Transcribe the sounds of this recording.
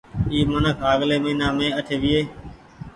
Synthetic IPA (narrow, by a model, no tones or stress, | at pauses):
iːmənəkʰɦaːɡleːməiːnãːmẽːəʈʰeːʋɪeː